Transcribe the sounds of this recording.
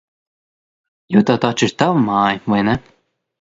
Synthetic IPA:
juːt̪awt̪ɔt͡ʃiɾt̪avmaːjvajnɛ

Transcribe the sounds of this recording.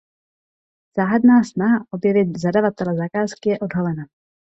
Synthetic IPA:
z̥aːɦadnaːsnaɦaʔo̞bjɛvɪt̪zadavat̪ɛlɛzakaːskɪjɛʔo̞dɦalɛna

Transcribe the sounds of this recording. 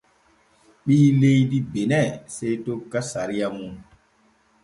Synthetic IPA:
ɓiːlejdibenɛsejtokːasaɾijamun

